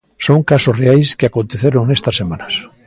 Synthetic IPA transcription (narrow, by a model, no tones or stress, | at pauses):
soŋkasosreajskɪakõnt̪eθeɾoŋnest̪ɐsːemanɐs